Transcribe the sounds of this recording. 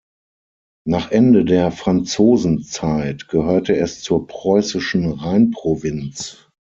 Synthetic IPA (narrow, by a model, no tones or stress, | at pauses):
naːχʔɛndədeːɐfʁ̥ant͡soːzn̩t͡saɪtɡ̥əhøːɐtəɛst͡suːɐpʁ̥ɔʏsɪʃn̩ʁaɪnpʁ̥ovɪnt͡s